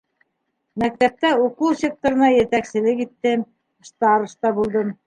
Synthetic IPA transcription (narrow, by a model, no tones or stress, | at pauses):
mæk̚t̪æp̚t̪æuqulˠsʲek̚t̪ŏɾɤ̆nɑjɘ̆ɾt̪æksɘ̆lɘkit̪ːɘm | ʃt̪ɑɾɤ̆ʃt̪ɑbulˠd̪ɤm